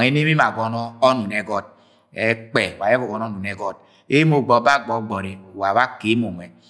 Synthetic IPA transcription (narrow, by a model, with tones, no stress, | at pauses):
ŋe˦ne˦mi˦ma˨ɡɔ˨nɔ˦ɔ˦nu˨nɛ˨ɡɔ˦d̚ | ɛ˦k͡pɛ˨wa˨je˦bo˨ɡɔ˨nɔ˦nu˨nɛ˨ɡɔ˦d̚ | e˦mo˨ɡ͡bɔ˨˦ba˦ɡ͡bɔ˨˦ɡ͡bɔ˨ɾe˨wa˨ba˦ke˨˦mo˨ŋɛ˨